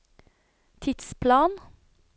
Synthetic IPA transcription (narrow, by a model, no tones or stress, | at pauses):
t̪ʰɪt̪spʰlɑːn